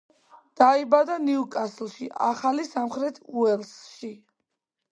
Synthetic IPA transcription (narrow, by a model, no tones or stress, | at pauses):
d̪̥aibad̪aniukʼaslˠʃiʔaχalisamχɾɛt̪ʰuɛlˠsʃi